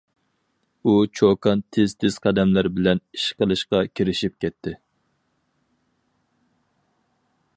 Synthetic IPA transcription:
ut͡ʃʰokʰɑnt̪ʰɪz̥t̪ʰɪz̥qʰɑd̪ɛmlæɾbɪlɛni̥ʃqəlˠɨʃqɑkʲʰiɾɪʃip̚kʲʰɛt̪ʰːɪ

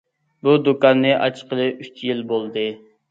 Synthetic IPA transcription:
bud̪ukɑnːɨʔɑ̰t͡ʃʰqʰəlˠɨyt͡ʃjilbolˠd̪ɨ

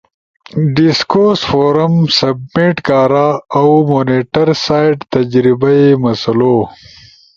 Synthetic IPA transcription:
ɖiskoɾsfoːɾɐmsɐb̚miʈkaːɾaawmoːneʈɐɾsaːjɖt̪ɐd͡ʒɾibɐimɐsɐlo

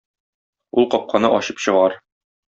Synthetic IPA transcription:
ulˠqɒp̚qʰɑnɤʔɒɕɤpɕɤ̆ʁɑɾ

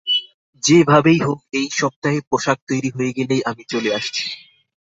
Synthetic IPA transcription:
d͡ʑebʱabejɦok̚ejʃɔb̚t̪aɦepɾoʃak̚t̪ojɾiɦoeɡɛlejʔamit͡ɕoleaʃt͡ɕʰi̥

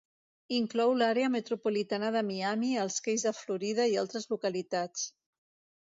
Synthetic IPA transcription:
iŋklɔwlaɾeəmət̪ɾupulit̪anəðəmiamiəlˠskejzðəfluɾið̞əialˠt̪ɾəzlukəlit̪at͡s

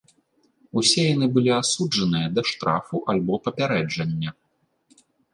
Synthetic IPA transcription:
usʲɛjan̪ɨbɨlʲiasud͡ʐɐnɨjɐd̪ɐʂt̪ɾʔa̰fuʔalʲbɔpɐpʲaɾɛd͡ʐɐnʲːɐ

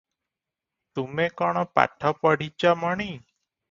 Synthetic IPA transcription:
t̪umekɔɽ̃ɔpa̰ʈʰɔpəɽ̤it͡ʃaməɳ̃i

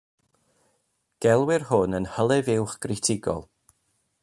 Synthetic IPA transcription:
ɡ̥ɛlˠwɪrhʊnənhəlˠɛvɪwχɡ̥rɪtʰɪɡɔ̰lˠ

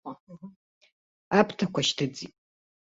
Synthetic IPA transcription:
apʰtʰakʷaʃtʰɨd͡zitʼ

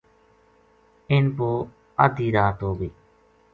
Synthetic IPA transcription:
ɪnpoː | ə̰d̪ʱiːɾaːt̪oːbeː

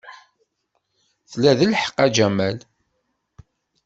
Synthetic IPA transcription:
θlæðəlħə̥qːæd͡ʒæmæl

